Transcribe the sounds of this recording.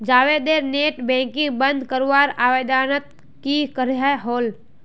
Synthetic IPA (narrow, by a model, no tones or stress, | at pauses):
d͡ʒaːʋeːd̪eːɾneːʈbɛ̃ːŋkĩŋbə̃nd̪ʱkəɾwaːɾaːʋed̪ʱaːnət̪̚ | kikəɾɦaɦoːl